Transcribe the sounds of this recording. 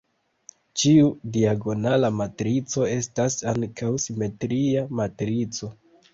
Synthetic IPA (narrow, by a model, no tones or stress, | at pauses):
t͡ʃiudiaɡo̞nalamatɾit͡so̞e̞stasaŋkʰawsime̞tɾiamatɾit͡so̞